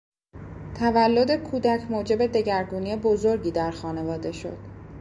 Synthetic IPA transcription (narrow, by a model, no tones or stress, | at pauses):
t̪ʰævælːo̞d̪ekʰuːd̪æcʰmoːd͡ʒe̞be̞d̪e̞ɟæɾɡuːniebo̞zo̞ɾɟiːd̪æɾxɒːne̞vɒːd̪e̞ʃo̞̰d̪̥